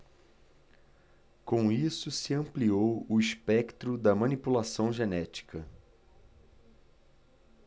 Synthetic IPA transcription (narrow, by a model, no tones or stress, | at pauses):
kõisʊsɪɐ̃mpliowʊispɛkt̪ɾʊd̪ɐmɐ̃nipulasɐ̃w̃ʒenɛt͡ʃi̥kʰɐ